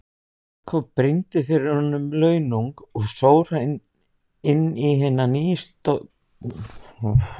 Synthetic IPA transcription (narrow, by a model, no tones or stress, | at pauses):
kʰvɔpɾɪnt̪ɪfɪɾɪɾhɔnːʏmlœːɥnuŋkɔɣsoːwɾ̥a | ɪnːiɦɛnːanijst̪o